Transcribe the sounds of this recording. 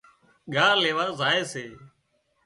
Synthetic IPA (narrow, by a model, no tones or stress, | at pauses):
ɠaːleːʋaːzaːeːseː